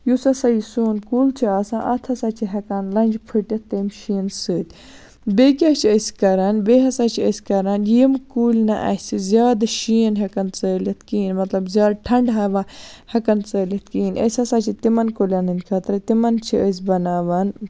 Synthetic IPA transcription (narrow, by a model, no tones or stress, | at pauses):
jusɐsajisoːnkuːlt͡ʃʰiaːsãːʔɐt̪ʰɐsaːt͡ʃʰiɦɐkaːnlɐ̃nʲd͡ʒpʰɨʈɐtt̪ːɐːmʃiːnsɨːt̪ʲ | beɡʲat͡ʃʰiəsʲkɐɾɐnbeːɦɐsaːt͡ʃʰiəsʲkɐɾɐnjimkuːlʲnɐʔɐ̰sizʲaːd̪ʃiːənɦɐkɐnt͡səːlɐt̪ʰkiːnmɐt̪lɐbzʲjaːd̪̚ʈʰɐɳɖɦɐːʋahɐkɐnt͡səːlʲɐt̪̚kiːnɐ̰sʲɐsat͡ʃʰit̪imɐnkoːlʲanɨnʲkʰɐt̪ɾɐt̪imɐnt͡ʃʰiəs̬ʲbɐnaːʋɐn